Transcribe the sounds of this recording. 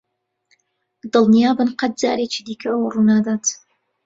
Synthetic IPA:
d̪ɨlˠnijaːbɨnqɐt̪̚d͡za̰ːɾet͡ʃiːd̪iːkʰɐəwɐrunaːd̪aːt̪

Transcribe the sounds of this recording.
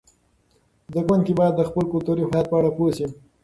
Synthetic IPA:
zəɡwand̪kibɑjad̪ːəxpəlkʊlt̪uɾihat̪̚pəaɽaposi

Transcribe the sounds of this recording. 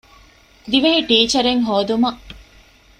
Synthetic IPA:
d̪iʋɐɦiʈiːt͡ʃɐɾeŋɦoːd̪umɐʔ

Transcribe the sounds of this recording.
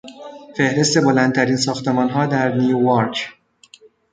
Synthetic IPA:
fe̞hɾe̞st̪e̞bo̞lænd̪t̪ʰæɾiːnsɒːxt̪e̞mɒːnɦɒːd̪æɾnijujɒɾcʰ

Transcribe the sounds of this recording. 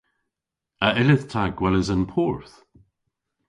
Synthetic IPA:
əʔɪlɪðtʰaɡwɛlɪzə̃npʰɔɹθ

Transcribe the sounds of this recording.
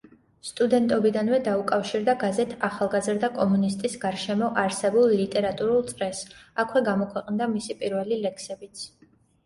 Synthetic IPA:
st̪ʼud̪ɛnt̪ʼɔbid̪anvɛd̪aukʼafʃiɾd̪aɡazɛt̪ʰaχalˠɡazɾd̪akʼɔmunist̪ʼisɡaɾʃɛmɔʔaɾsɛbulˠlit̪ʼɛɾat̪ʼuɾulˠt̪sʼɾɛsakʰwɛɡamɔkʰwɛqʼnd̪amisipʼiɾvɛlilɛkʰsɛbit̪sʰ

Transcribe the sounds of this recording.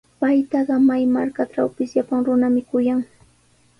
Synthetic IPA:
pajt̪ɑɢɑmajmaɾkaʈ͡ʂawpɪsʎapaŋɾʊnamɪkʊjaŋ

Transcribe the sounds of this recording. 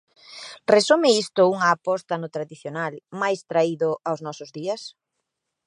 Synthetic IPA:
resumɪist̪ʊuŋɐːpɔst̪ɐnʊt̪ɾaðiθjonalmajst̪ɾaiðʊawznɔsʊzðiɐs

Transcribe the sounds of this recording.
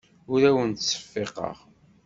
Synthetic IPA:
ʊɾæwənt̪sːə̥fːeqɑ̰ʁ

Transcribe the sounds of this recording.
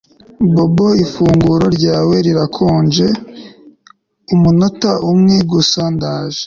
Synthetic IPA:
bo̞boifuːŋɡuɾo̞ɾɟaːwe̞ɾiɾakʰoːnd͡ʒe̞ | umunotaʔumŋeɡusaːndaːʒe̥

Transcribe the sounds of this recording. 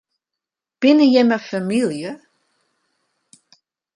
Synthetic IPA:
b̥ɪnəjɛməfamilˠjə

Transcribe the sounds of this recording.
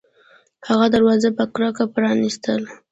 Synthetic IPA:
haɣad̪aɾwɑzapəkɾakapɾɑnist̪əl

